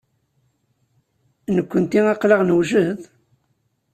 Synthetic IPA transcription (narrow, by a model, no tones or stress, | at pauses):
nəkʷːənt̪iæqləʁnəwʒəð